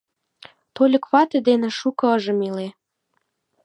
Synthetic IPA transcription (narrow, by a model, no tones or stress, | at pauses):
t̪olʲə̆kβɑt̪ĕd̪enĕʃukɤ̆əʒə̆mile